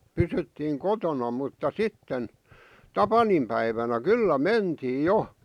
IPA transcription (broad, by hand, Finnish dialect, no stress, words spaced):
pysytːiːŋ kotonɑ mutːɑ sitːen tɑpɑnimpæiʋænæ kylːæ mentiːj̆ jo